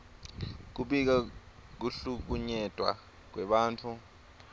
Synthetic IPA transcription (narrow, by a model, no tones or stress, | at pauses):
k̬uɓik̬a | k̬uɬuk̬uɲɛd̥ʱwa̰ | k̬wɛɓaːnt͡fʰu